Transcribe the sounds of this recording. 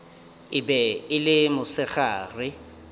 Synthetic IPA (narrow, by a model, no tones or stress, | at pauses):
ɪbɛɪlɪmʊsɪɣaːrɪ